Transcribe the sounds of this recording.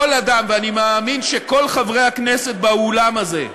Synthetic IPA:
olad̪amveanimaːminʃeko̞lχavʁe̞jaknese̞t̪̚baolamaze̞

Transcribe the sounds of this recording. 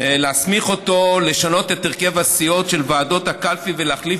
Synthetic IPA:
leasmiχo̞to̞le̞ʃano̞t̪et̪eʁke̞vasio̞tʃe̞lvaːdo̞thakalfivelaχlif

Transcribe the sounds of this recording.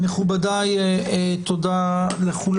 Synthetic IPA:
meχubad̪ajet̪od̪aleχul

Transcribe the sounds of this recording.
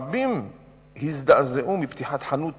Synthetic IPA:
bim | hizd̪aʔzeʔumibt̪iħat̪ħanut̪

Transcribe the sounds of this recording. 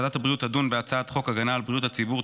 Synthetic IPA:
dat̪habʁijutadunveat͡saat̪χo̞kaɡanaːlbʁijuthat͡sibuʁ

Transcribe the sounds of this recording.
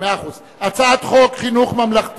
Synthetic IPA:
eaːχuz | at͡saat̪χokχinuχmamlaχt̪

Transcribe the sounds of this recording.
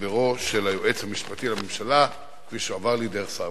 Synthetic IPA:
veʁo̞ʃelajoʔet͡shamiʃpat̪ilame̞mʃala | kfiʃuavaʁlideʁeχsa

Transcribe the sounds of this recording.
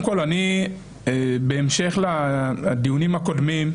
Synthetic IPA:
mko̞lani | ebeːmʃe̞χlad̪ijunimako̞d̪mim

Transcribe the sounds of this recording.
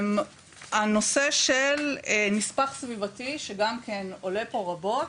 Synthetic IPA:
m | ano̞se̞ʃelmispaχsvivatiʃeɡamkʰeno̞le̞po̞ʁabo̞t

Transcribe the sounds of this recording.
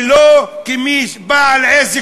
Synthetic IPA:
lokimiʃbaleze

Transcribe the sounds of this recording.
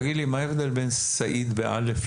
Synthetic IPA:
ɡid̪limaefd̪elben | saʔid̪beʔa̰lef

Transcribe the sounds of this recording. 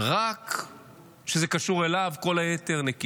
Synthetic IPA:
ʁak | ʃezekaʃuʁe̞lavko̞lajete̞ʁneki

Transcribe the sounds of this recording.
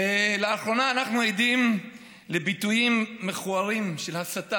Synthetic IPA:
leaχʁo̞naːnaχnuejd̪im | le̞bit̪ujimːe̞χuaʁimʃelhasat̪a

